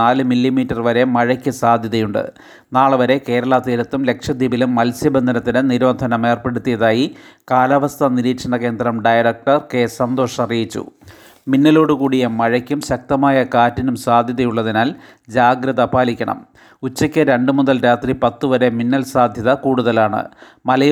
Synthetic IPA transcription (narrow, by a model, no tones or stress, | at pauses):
aːlɨmilːimiːtːɐrʋɐɾe̞mɐɻɐkʲːɨsaːd̪ʱjɐðɐjuɳɖɨ̰ | naːɭʋɐɾe̞ke̞ːɾɐɭɐt̪iːɾɐt̪ːumle̞kʂɐd̪ibilumːɐlsjɐbend̪ʱɐnɐt̪ːinɨniɾʋɐnd̪ʱɐnɐme̞ːrpe̞ɽut̪ːijɐðaːjikaːlɐʋɐst̪ʰɐniɾiːʈʂɐɳɐke̞ːnd̪rɐmɖɐjɐɾɐk̚ʈɐrkeːsɐnd̪o̞ːʂɐrijit͡ɕːṵ | minːɐlo̞ːɽukuːɽijemɐɻɐkʲːumɕɐk̚t̪ɐmaːjɐkaːtːinumsaːd̪ʱjɐðɐjuɭːɐðinaːl | d͡ʑaːɡɾɐðɐpaːlikʲːɐɳɐ̰m | ut͡ɕːɐkʲːɨɾe̞ɳɖɨmuðɐlɾaːt̪ripɐt̪ːuʋɐɾe̞minːɐlsaːd̪ʱjɐðɐkuːɽuðɐlaːɳɨ̰ | mɐlɐj